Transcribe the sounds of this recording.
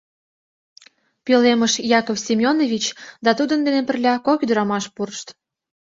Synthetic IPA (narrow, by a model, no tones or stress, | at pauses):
peleməʃjɑkofsʲimʲjonovʲit͡ɕd̪ɑt̪ud̪ənd̪enepə̆rlʲɑkokyd̪əɾɑmɑʃpurʃt̪